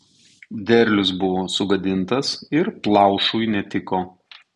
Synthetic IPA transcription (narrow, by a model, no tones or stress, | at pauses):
d̪ʲɛɾʲlʲʊs̬bʊʋoːsʊɡɐd̪ʲɪnt̪ɐsɪɾplˠɑˑʊʃujnʲɛt̪ʲɪkoː